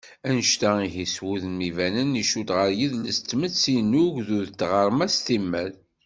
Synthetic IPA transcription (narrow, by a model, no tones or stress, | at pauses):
ænʃt̪æiɦiswuðnmivænəniʃud̪ʁəɾjiðləst̪ːməsinːuʝðuðt̪ːʁəɾˤmæst̪imːæl